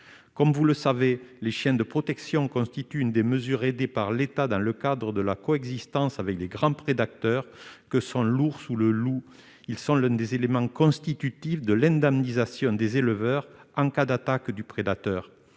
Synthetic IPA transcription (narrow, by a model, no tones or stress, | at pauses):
kɔmvuləsaveleʃjɛ̃d̪əpχɔt̪ɛksjɔ̃kɔ̃st̪it̪yynd̪eməzyʁed̪epaʁlet̪ad̪ɑ̃ləkad̪ʁəd̪əlakɔɛɡzist̪ɑ̃savɛkleɡʁɑ̃pχed̪ak̚t̪œʁkəsɔ̃luʁsuləlu | ilsɔ̃lɛ̃d̪ezelemɑ̃kɔ̃st̪it̪yt̪ifd̪əlɛ̃nd̪ɛmnizasjɔ̃d̪ezeləvœʁɑ̃kad̪at̪akd̪ypχed̪at̪œʁ